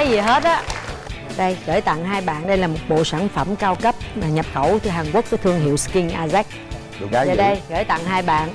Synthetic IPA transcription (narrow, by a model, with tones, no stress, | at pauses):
aː˨˦jzi˨˩ɦe˦˥t̚ɗa˨˦ | ɗə˧jɣəː˧˩˦jt̪a̰˧˨ŋɦaː˧jɓa̰ː˧˨nɗə˧jlaː˨˩mo˨˩t̚ɓo̰˧˨saː˧˩mnfə˧˩mkaː˧wkə˦˥p̚aː˨˩ɲə˨˩p̚xə˧˩wt̪ʰɨ˧ɦaː˨˩nkwu˦˥ək̚ːu˧˨˩t̪ʰɨ˧əŋɦḭ˧˨wski˧ŋʔaː˧zɛ˦˥k̚ː | zɗə˧jɣəː˧˩jt̪a̰˧˨ŋɦaː˧jɓa̰ː˧˨n